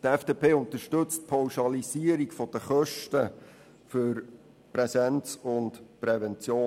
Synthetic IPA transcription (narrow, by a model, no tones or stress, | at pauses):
tɛfd̥eːpeːʊnt̪əʃtɵt͡st̚pʰawʃɑlisiəɾikfɔd̥əχœʃtə | føɾ | pɾɛsɛnt͡sʊntpɾɛvɛnt͡sjoː